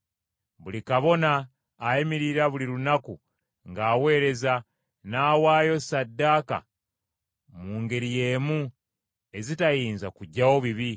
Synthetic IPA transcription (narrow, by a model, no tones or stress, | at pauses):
βulikaβo̞naː | imiɾiɾaβuliɾunaku | ŋɡaːwe̞ːɾe̞za | naːwaːjo̞sadːaka̰ | muːŋɡe̞ɾije̞ːmu | e̞zitajiːnzakuɟːawo̞βiβi